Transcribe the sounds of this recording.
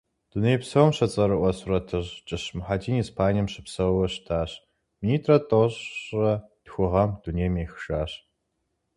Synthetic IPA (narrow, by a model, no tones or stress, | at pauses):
d̥unejpsɐwmɕɐt͡sʼɐɾɨʔʷɐsurɐtʰɨʑt͡ʃʼɪɕmħadiːnispʰaːnijɐmɕɪpsɐwwɐɕtʰaːɕ | miniːtʰrɐtʼoɕrɐd̥xʷʊʁɐmduneːjmeːxʃaːɕ